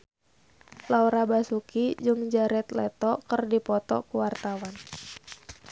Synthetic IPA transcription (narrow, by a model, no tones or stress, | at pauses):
lauɾabasukid͡ʒɨŋd͡ʒaɾɛt̪lɛt̪ɔkərdipɔt̪ɔ̰kuwart̪awan